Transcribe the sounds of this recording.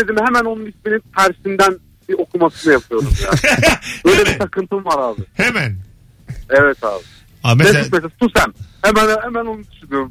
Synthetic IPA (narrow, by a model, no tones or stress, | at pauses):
ed̪imhemæno̞nunisminint̪ʰæɾsind̪æn | bio̞kʰumasɯnɯjapʰɯjo̞ɾumjaːøjllʲebisakɯnt̪ʰɯmvaɾaːb̪ɯhemæn | evɛt̪a̰ːb̪ɯ | amesit̪mest̪ʰusæmhemænhemæno̞nud̪yʃynyɾum